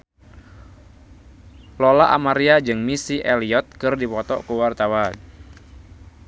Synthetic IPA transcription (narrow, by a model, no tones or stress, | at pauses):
lolaʔa̰maɾiad͡ʒɨŋmisiʔɛliɔt̪̚kɨrdipɔt̪ɔ̰kəwart̪awan